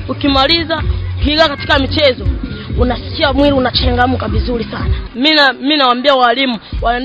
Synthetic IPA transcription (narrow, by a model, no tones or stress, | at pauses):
ukimalizahiɡakati̥kamit͡ʃɛzɔunasi̥kiamwiɾiunat͡ʃɛŋɡam̩kavizulisanamiminawambiawalimuwa